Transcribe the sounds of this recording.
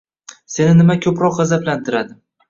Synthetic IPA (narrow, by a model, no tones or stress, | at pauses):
se̞nɪnɪmakʰɵpɾɒqʁazablant̪ʰɪɾad̪ɪ